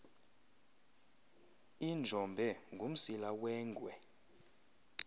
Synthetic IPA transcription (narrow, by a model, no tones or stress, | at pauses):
ind͡ʒʱɔmbʱɛŋɡʱum̩silawɛːŋɡʱwɛ